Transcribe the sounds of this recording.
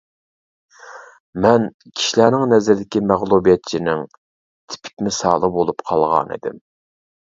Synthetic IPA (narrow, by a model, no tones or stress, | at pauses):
mɛn | kʲʰi̥ʃilænɪŋnɛzɪɾd̪ɪkʲimæʁlˠubijɛt̪̚t͡ʃʰinɪŋ | t̪ʰɪ̥pʰɪ̥k̚ʲmɪsɑ̰ːlˠəbolˠupqʰɑlˠʁɑ̰nḭd̪ɪ̰m